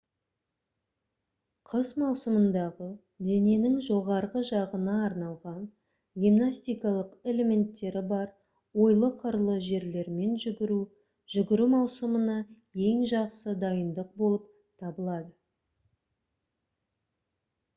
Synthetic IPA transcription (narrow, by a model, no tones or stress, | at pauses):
qʰəzmɑwsəmənd̪ɑʁə | d̪e̞ne̞nɪŋʒo̞ʁɑɾʁəʒɑʁənɑːɾnɑlˠʁɑn | ɡʲimnasʲt̪ijkɑlˠəqe̞le̞me̞nt̪ːe̞ɾɪbɑɾ | wo̞jlˠəqʰəɾlˠəʒe̞ɾle̞ɾme̞nʒʏɡʲɪɾu | ʒ̥ʏɡʲɪɾumɑwsəmənɑ | e̞ŋʒɑqsəd̪ɑjənd̪əq̚bo̞lˠəp̚ | t̪ʰɑbəlˠɑd̪ə